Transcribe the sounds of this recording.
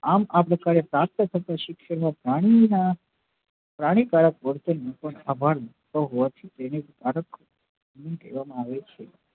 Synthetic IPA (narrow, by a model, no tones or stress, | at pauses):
amapɾəkaɾepɾap̚t̪ək̪ʰət̪aʃɪkʃəɾmãpɾaɽ̃ina | pɾaɽ̃ikaɾək̚ʋəɾt̪enəpəɳabʱaɾmə | t̪oɦoʋat̪ʰit̪enekkaɾək | mink̪ḛʋamãaʋet͡ʃʰe